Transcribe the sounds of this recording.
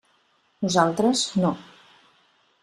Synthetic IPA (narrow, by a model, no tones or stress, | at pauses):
nuzalˠt̪ɾəzno